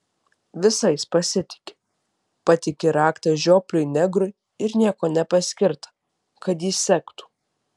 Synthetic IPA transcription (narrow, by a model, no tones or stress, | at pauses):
ʋʲɪsɐɪspɐsʲɪt̪ʲɪ̥kʲɪ̥ | pɐt̪ʲɪkʲɪɾɑːkt̪ɐʒʲoːpʲlʲʊɪnʲɛɡɾʊɪ | ɪɾnʲiɛkoːnʲɛpɐsʲkʲɪɾt̪ɐ̥ | kɐt̪jiːsʲsʲɛkt̪u̥ː